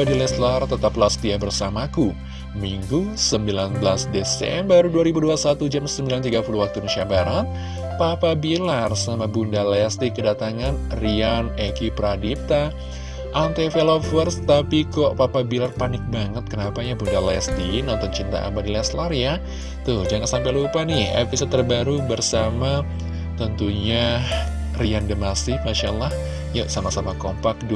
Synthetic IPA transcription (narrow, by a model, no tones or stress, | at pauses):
badilɛst̪lart̪ət̪aplasə̥t̪iabərsamaku | miŋɡusəmbilanbəlasdesɛ̰mbəɾuduaɾibuduasat̪ud͡ʒamsəmbilant̪iɡapuluwak̚t̪unəʃabaɾat̪̚ | papabilarsəamabundalɛst̪ikədat̪aŋanrianekipɾadip̚t̪a | ʔant̪efelofərst̪apikɔʔpapabilarpanɪk̚baŋət̪̚kənapajabundalɛ̰st̪inɔnt̪ɔnt͡ʃint̪a̰a̰badilɛslarja | t̪ʊhd͡ʒaŋansampɛlupanɪhḛpisod̚t̪ːərbaɾubərsama | t̪ənt̪uɲa | riandəmasɪhmaʃa̰lah | jasamasamakɔmpak̚du